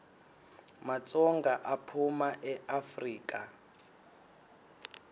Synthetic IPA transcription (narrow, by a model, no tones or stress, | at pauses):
mat͡sʼɔŋɡaʔapʰumaʔɛʔafriːkʼa